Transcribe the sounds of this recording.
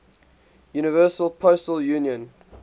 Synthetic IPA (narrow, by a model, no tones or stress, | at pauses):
juːnɪvɜːˑsəlˠpʰostəljũːnjə̃n